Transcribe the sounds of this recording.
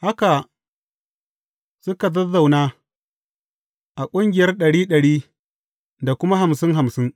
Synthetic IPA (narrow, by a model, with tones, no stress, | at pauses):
ha˦ka˨ | sʊ˦ka˨dɐ˦za˨wnaː˦ | ʔa˨kʷʼʊ˦ŋɡʲɪ˨jɐ˦rɗɐ˨ɽiː˦ɗɐ˨ɽiː˦ | da˨kʷʊ˦ma˦ɦa˨msɪ˦ŋɦa˨msɪ˦ŋ